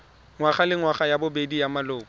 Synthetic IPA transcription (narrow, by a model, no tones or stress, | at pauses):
ŋwaχalɪŋwaχajabʊbedijamalʊːkɔ